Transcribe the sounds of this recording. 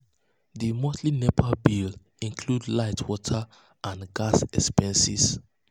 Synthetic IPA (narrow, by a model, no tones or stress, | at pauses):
ðimɔtlinepʰabil | ĩnkʰludlaɪtʰwɔtʰə | ʔãnɡasɛkspɛ̃nsḭs